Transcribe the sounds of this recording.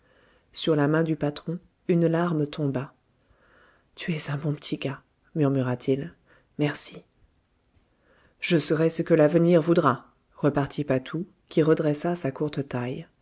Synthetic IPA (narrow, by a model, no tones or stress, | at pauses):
syʁlamɛ̃d̪ypat̪χɔ̃ | ynlaʁmt̪ʰɔ̃ba | t̪ʰyɛzɛ̃bɔ̃pə̥t̪ʰiɡa | myʁmyʁat̪ʰil | mɛʁsi | ʒ̥əsəʁɛsəkəlavəniʁvud̪ʁa | ʁəpaʁt̪ʰipat̪ʰu | kʲiʁəd̪ʁɛsasakuʁt̪ət̪aj